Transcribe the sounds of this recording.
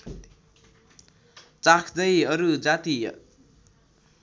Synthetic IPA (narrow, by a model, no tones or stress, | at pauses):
t͡sakʰd͡zʌjʌɾud͡zat̪i